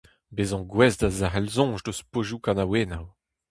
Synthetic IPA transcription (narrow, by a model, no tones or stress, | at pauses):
bezɔ̃ɡwɛzdazaʁɛlzɔ̃ːʒdospoʒukɑ̃naweːnaw